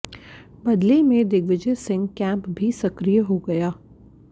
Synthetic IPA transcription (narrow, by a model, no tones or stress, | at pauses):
bɐd̪lemẽd̪ɪɡʋɪd͡ʒəsɪ̃ŋɡkɛ̃ːmpbʱisɐkɾijəɦoɡɐjaː